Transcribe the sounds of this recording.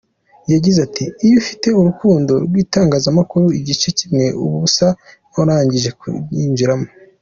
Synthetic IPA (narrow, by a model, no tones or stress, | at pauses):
jaɟizatʰiːjofi̥te̞uɾukuːndo̞ɾɡwiːtaːŋɡaːzamakuɾuiɟit͡ʃe̞cimŋe̞ʔuβuβusa | oɾaːɲɟiʒe̞kuiːnviɾamo